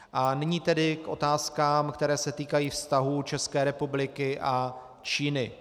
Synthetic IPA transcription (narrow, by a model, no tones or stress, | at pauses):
ʔanɪɲiːt̪ɛdɪkʔo̞̰t̪aːskaːmkt̪ɛɾɛːsɛt̪iːkajiːfst̪aɦut͡ʃɛskɛːɾɛpublɪkɪʔa | t͡ʃiːnɪ